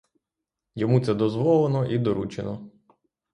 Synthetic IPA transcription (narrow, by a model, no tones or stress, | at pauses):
jɔmut̪sɛd̪ɔzʋɔlˠenɔʔid̪ɔɾut͡ʃḛnɔ